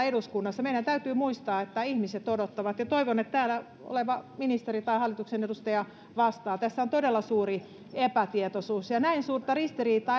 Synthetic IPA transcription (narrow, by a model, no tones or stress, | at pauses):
eduskunːɑsːɑmeiɾænt̪æyt̪yːmuist̪ɑːet̪ːæihmiset̪odot̪ːɑʋɑt̪jɑt̪oiʋonet̪t̪æːlæ | o̰leʋɑminist̪erit̪ɑihɑlːit̪uksenedust̪ɑjɑ | ʋɑst̪ɑːt̪æsːæont̪odelːɑsuːri | epæt̪iet̪osuːsjɑnæinsuːrt̪ɑrist̪iriːt̪ɑː